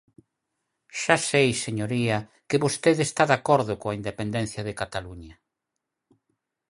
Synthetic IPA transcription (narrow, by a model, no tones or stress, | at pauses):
ʃasejseɲoɾiɐ | kɪβost̪eðest̪aðakoɾðʊkõaind̪epend̪ɛnθjɐðɪkat̪aluɲɐ